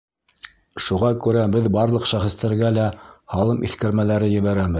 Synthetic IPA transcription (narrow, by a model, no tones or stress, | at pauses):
ʃuʁɑkʉɾæbɘðbɑɾlˠɤqʃæχɘ̆st̪æɾɡælæhɑlˠɤmʔḭθkɘ̆ɾmælæɾɘjɘ̆βæɾæbɘð